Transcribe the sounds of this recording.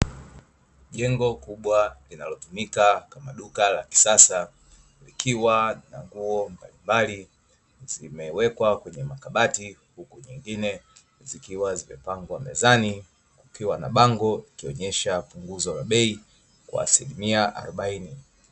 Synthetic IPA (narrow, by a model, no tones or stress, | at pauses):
ʄɛŋɡɔkuɓwalinalɔtumikakamaɗukala̰ki̥sasa | likiwanaŋɡuɔmbalimbali | zimɛwɛkwakwɛɲɛmakaɓatihukuɲiŋɡinɛ | zikiwazimɛ̰paŋɡwamɛ̰zani | kukiwana̰ɓaŋɡɔlikiɔɲɛʃapuŋɡuzɔlaɓɛi | kwa̰ːsilimiaʔa̰ɾɔɓaini